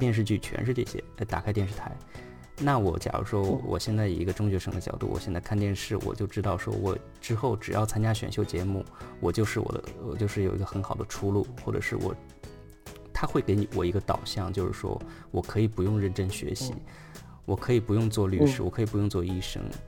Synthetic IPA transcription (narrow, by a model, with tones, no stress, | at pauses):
t̪jɛ˥˧nʂ̬ɻ̩˥˧t͡ɕy˥˩t͡ɕʰɥɛ̰˧˥nʂ̬ɻ̩˥˧ʈ͡ʂɤ˥˩ɕjɛ̰˥la˧˥t̪a˨˩a˥ɪt̪jɛ˥˧nʂɻ̩˥˩t̪ʰa˧˥ɪ | na˥˩wɔ˧˩t͡ɕjɑ̰˨˩ə̰˦ʂwɔ˥wɔ̰˨˩ɕjɛ˥˧nt͡sa˥˩ɪjo̰˨˩i˧˥ɡə˧ʈ͡ʂʊ˥ŋt͡ɕɥɛ˧˥ʂə˧˥ŋd̪ə˧t͡ɕjɑ˨˩ʊt̪ṵ˥˩wɔ̰˨˩ɕjɛ˥˧nt͡sa˥˩kʰa˥˧nt̪jɛ˥˧nʂɻ̩˥˩wɔ̰˨˩t͡ɕjo˥˧ʊʈ͡ʂɻ̩˥t̪ɑ˥˩ʊʂwɔ̰˥wɔ˨˩ | ʈ͡ʂɻ̩˥xo˥˩ʊʈ͡ʂɻ̩˨˩jɑ˥˩ʊt͡sʰa˥nt͡ɕja˥ɕɥɛ̰˧˩nɕjo˥˩ʊt͡ɕjɛ˧˥mu˥˩wɔ˨˩t͡ɕjo˥˧ʊʂɻ̩˥˩wɔ̰˨˩d̪ə̰˦wɔ̰˨˩t͡ɕjʊʂɻ̩˥˩jo˨˩ʊi˧˥ɡə˧xə˧˥nxɑ˨˩ʊd̪ə̰˦ʈ͡ʂʰu˥lu˥˩xwɔ˥˩ʈ͡ʂɤ̰˨˩ʂɻ̩˥˩wɔ̰˨˩ | t̪ʰa˥xwe˥˩ɪke˧˥ɪni˧˩wɔ˨˩i˧˥ɡə˧t̪ɑ̰˨˩ʊɕjɑ˥˩ŋt͡ɕjo˥˧ʊʂɻ̩˥˧˩ʂwɔ̰˥ | wɔ˨˩kʰɤ˧˥i˨˩pu˧˥jʊ˥˧ŋɻə˥˩nʈ͡ʂə˥nɕɥɛ̰˧˥ɕḭ˧˥ | wɔ˨˩kʰɤ˧˥i˨˩pu˧˥jʊ˥˧ŋt͡swɔ˥˧ly˥˩ʂɻ̩˥wɔ˨˩kʰɤ˧˥i˨˩pu˧˥jʊ˥˧ŋ˧t͡swɔ˥˧i˥˩ʂɤ̰˥ŋ